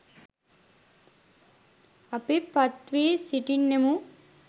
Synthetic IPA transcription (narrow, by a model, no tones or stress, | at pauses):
ɐpipɐt̪ʋiːsiʈinːemu